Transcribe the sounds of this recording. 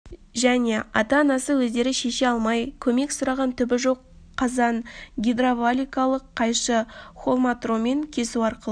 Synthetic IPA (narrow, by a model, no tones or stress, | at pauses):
ʒæne̞ɑ̰t̪ɑːnɑsəwɵzd̪e̞ɾɪʃe̞ʃeɑlˠmɑjkʲʰɵme̞ksʊɾɑʁɑnt̪ʰʏbɪʒo̞qʰː | ɑzɑnɡʲid̪ravalʲijkalˠəqʰːɑjʃəχo̞lˠmat̪ro̞me̞ŋkʲʰe̞suɑɾqəlˠə